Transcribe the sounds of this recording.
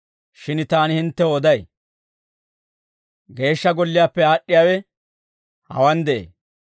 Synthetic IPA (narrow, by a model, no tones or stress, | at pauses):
ʃɪnt̪aːnɪhɪnt̪ːɛod̪ɐj | ɡe̞ːʃːɐɡɔlːɪjaːpːɛaːʔːɪjaːwɛ | hɐ̰wɐnd̪ɛʔḛː